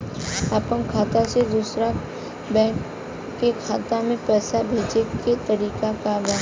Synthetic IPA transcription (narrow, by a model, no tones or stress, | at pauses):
aːpəmkʰaːt̪ased̪uːsɾa | bɛ̃ːk | kekʰaːt̪amẽpɛːsabʱeːd͡ʒeket̪ɐɾiːkakabaː